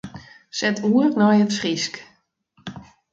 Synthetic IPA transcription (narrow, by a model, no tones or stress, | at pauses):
sɛtʰuərnɔjətsrisk